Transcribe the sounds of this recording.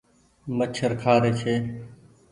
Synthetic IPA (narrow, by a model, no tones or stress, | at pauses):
mət͡ʃʰəɾkʰaːɾeːt͡ʃʰeː